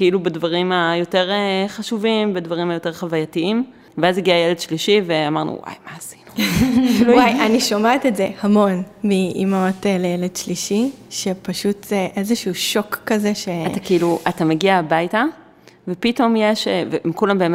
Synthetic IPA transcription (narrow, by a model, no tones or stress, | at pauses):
keilubedvaʁimajo̞te̞ʁeχaʃuvimbedvaʁimajo̞te̞ʁχavajatiim | veaziɡiajeledʃliʃiveamaʁnṵwa̰jmaːsi̥nu̥ | wajaniʃomaet̪etzehamo̞nmiʔḭmotelejeledʃliʃiʃe̞paʃuteʔezeʃuuʃo̞kːaze̞ʃe̞atakeiluʔatameɡiaːbajta | vepito̞mjeʃevemikulambe̞ːme